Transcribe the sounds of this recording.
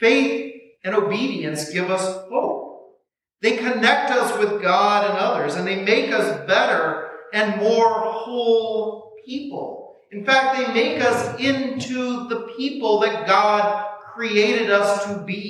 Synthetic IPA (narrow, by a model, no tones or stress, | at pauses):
feɪθ | ɨ̃ñoʊbiɾiɨ̃nsɡ̥ɪvʌshoʊp̚ | ðeɪkʰɨnɛk̚tʌswɨðɡɑɾɨ̃nʌðə˞zɨ̃nðeɪmeɪkʌsb̥ɛɾə˞ɨ̃nmɔɹhoʊlˠp̚ʰipl̩ˠ | ɨ̃nfæk̚t̪̚ðeɪmeɪkʌsɪ̃ntʰuðəpʰipl̩ˠðɨt̚ɡ̥ɑd̚kʰɹ̥ieɪɾɨɾʌstʰɨbi